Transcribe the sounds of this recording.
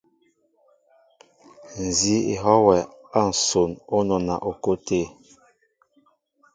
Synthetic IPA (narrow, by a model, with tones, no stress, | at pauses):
n̩˨zi˦ḭ˨ɦɔ˦wɛ˨ | a˦˨n̩˨so˨no˦nɔ˨na̰˨ʔo˨ko˦te˦˨